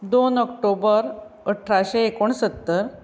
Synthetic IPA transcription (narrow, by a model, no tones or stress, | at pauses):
d̪onɔkʈobəɾ | əʈʰɾaɕeekoɳsət̪ːəɾ